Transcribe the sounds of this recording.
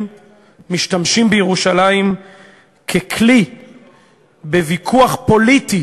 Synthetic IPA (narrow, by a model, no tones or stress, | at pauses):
miʃtamʃimbejeʁuʃalaim | kʰekʰli | bevikʰuaχpo̞liti